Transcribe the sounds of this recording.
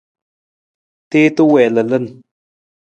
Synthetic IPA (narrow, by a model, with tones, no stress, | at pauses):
t̪e˦t̪ə˦wɛ˨lə˨lə˦˨n